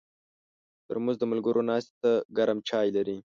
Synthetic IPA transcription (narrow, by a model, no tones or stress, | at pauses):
t̪əɾmuzd̪əmalɡəɾʔonɑst̪e̥t̪aɡaɾamt͡ʃɑːjlaɾi